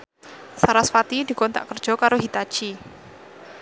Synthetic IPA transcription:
saɾasfat̪id̪̥i̤kɔnt̪a̰ʔkərd̥ʒ̥ɔ̤kaɾoɦit̪ḁt͡ʃi

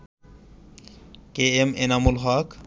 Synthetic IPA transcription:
keemenamulɦak

